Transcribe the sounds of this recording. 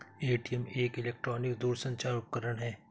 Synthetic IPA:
eːʈijəmeːkɪleːk̚ʈɾɔːnɪkd̪uːɾsɐ̃ɲt͡ʃaːɾʊp̚kəɾəɳɦɛː

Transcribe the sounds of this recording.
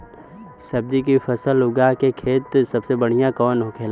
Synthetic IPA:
sɐb̚d̪ik̬ifɐsəlʊɡakekʰeːt̪sɐbsebɐɽ̤ijãkɔːnɦokʰeːl

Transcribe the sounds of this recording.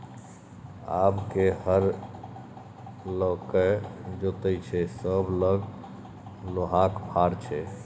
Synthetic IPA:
a̰bkehəɾ | lokəd͡ʒot̪ət͡ʃʰɛsəbləɡ | loɦakbʰʱaɾt͡ʃʰɛ

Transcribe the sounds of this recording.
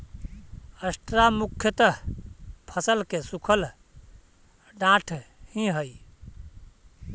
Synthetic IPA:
əsʈɾamukʰːjət̪ə | pʰəsəlkesukʰəl | ɖãʈʰhĩɦəj

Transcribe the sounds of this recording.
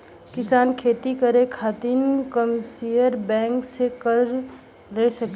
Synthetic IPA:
kɪsaːnkʰeːt̪ikəɾekʰaːt̪inkəmsijəɾbɛ̃ːŋksekəɾ | lesək

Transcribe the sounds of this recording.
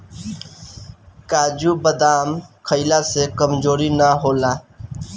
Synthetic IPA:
kaːd͡ʒubəd̪aːmkʰəɪlasekəmd͡ʒoːɾinaɦoːla

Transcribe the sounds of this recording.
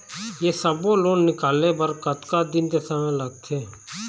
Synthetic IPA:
jeːsəboloːnːɪkaːleːbəɾkət̪kad̪ɪnt̪esamẽləɡ̚t̪ʰeː

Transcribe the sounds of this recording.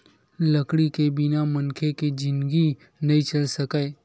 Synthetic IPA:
lɐkɽikebɪnamɐnkʰeked͡ʒɪ̃nɡi | nɐɦĩt͡ʃɐlsɐkae

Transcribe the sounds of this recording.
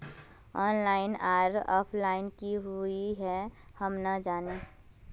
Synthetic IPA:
ɔːnlaːɪnaːɾɔ̰ːpʰlaːɪnkiɦuiɦɛ | həmnəd͡ʒaːne

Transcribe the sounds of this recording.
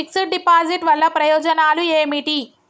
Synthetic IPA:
iksiʈ̚ɖipaːd͡ʒiʈʋɐɭːɐpɾɐjɔːd͡ʒɐnaːlueːmiʈi

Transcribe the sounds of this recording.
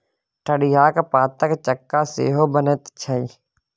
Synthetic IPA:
ʈʰəɽɪjaːkpaːt̪əkt͡ʃəkːaːsḛːɦoːbənət̪t͡ʃʰəiː

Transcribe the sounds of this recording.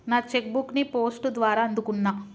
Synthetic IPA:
naːt͡ʃek̚buknipoːsʈd̪ʋaːɾaːɐnd̪ukunːaː

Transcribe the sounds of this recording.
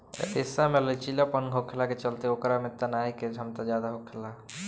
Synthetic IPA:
esamelət͡ʃilapənɡʱokʰelaket͡ʃəlt̪eokɾamet̪ənajked͡ʒʱəmt̪ad͡ʒjad̪aɦokʰela

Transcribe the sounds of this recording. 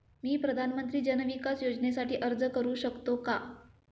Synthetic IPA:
miːpɾəd̪ʱanmənt̪ɾiːd͡ʑənʋikasjod͡znesaʈiːʔəɾd͡zəkəɾuːɕəkt̪oka

